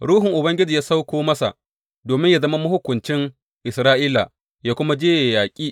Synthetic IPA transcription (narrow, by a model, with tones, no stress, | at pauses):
ɽuː˦ɦɪ˨ŋʔʊ˨bɐ˦ŋɡʲɪ˦d͡ʒɪ˨jaː˦sa˦wkʷoː˦mɐ˦sa̰˨ʔ | doː˨mɪ˦ɲja˨zɐ˦ma˦mʊ˦hʊ˦kʷːʊ˨nt͡ʃɪ˦ŋ | ʔɪ˨sɾaː˦ʔiː˦la˨ | jaː˦kʷʊ˦ma˦d͡ʒeː˦ja˨jaː˨kʲʼiː˦